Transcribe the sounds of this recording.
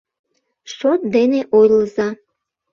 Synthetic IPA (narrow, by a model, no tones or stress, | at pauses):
ʃot̪̚d̪eneʔojləza